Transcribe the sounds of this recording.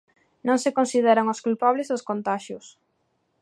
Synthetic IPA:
nõŋsekonsið̞ɛɾaŋoskulpaβlezðoskont̪aʃjʊs

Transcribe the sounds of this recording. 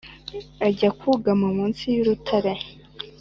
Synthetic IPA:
aɟakʰuɡamumuːnsijuɾutʰaɾe

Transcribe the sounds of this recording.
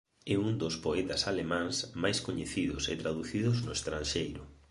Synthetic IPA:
ɛund̪ospoɛt̪asalemãŋsmajskoɲeθiðʊset̪ɾaðuθiðʊznʊest̪ɾanʃejɾʊ

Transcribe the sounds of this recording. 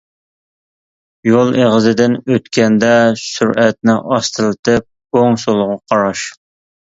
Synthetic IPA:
jolˠeʁəzɪd̪ɪnøt̪kʲʰɛnd̪ɛsyɾʔɛt̪̚nɪʔɑst̪ɨlˠɨt̪ɨp̚ | oŋsolˠʁɑqʰɑɾɑʃ

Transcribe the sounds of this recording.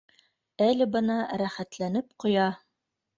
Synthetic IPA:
ælɘbɤ̆nɑɾæχæt̪lænɘpqŏjɑ

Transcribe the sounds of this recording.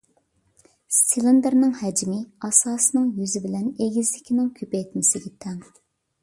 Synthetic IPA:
st̪ʰilˠɨnd̪ɨɾnɨŋhɛd͡ʒimɪɑsɑːsɨnɨŋjyzɪbɪlɛneɡʲizlɪkʲinɪŋkʲʰøpɛjt̪mɪsɪɡʲɛt̪ʰɛŋ

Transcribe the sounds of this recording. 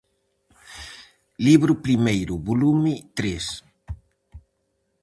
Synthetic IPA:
liβɾʊpɾimejɾuβulumɪt̪ɾes

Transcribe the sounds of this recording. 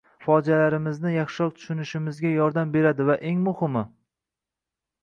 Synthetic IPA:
fɒd͡ʒalaɾɪmɪznɪjɑχʃɪɾɒk̚t̪ʰʊ̥ʃʊnɪʃɪmɪzɡʲajɒɾd̪ambe̞ɾad̪ɪvaʔe̞ŋmʊhɪmɪ

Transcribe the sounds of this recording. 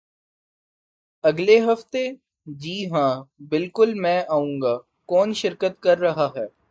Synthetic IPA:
ɐɡleɦɐft̪e | d͡ʒiːɦãːbɪlkʊlmɛ̃ːʔaːũːŋɡaː | kɔːnʃɪɾkət̪̚kɐɾːɐɦaɦɛː

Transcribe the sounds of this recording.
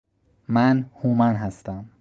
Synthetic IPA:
mænhuːmænɦæst̪æm

